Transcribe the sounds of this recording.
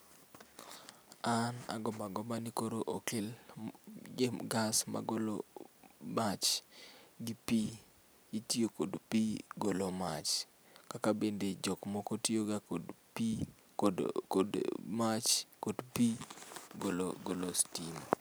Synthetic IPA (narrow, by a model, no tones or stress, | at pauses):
ana̰ɡɔmaɡɔmanikoɾoʔokɪl | ɡeɡasma̰ɡolo | mat͡ʃ | ɡipi | itiokodpiɡoloma̰t͡ʃ | kakabended͡ʒɔkmɔkɔtioɡakodpi | dmat͡ʃkodpiɡolo̰ɡolostim